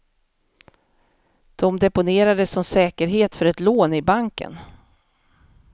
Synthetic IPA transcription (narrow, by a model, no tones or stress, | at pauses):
d̪̥ɔmd̪ɛpʊneːɾad̪əsːɔmsɛːkəɾɦeːt̪fœɾɛt̪loːnɪbaŋkə̰n